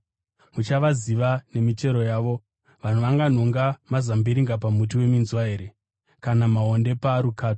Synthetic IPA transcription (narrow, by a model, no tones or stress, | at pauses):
mut͡ʃaʋaziʋane̞mit͡ʃe̞ɾo̞jaːʋo̞ | ʋan̤uʋaŋɡan̤o̞ŋɡamazambiɾiŋɡapamut̬iwe̞minzwaeːɾe | kanamaɦo̞nde̞paɾukaːto̥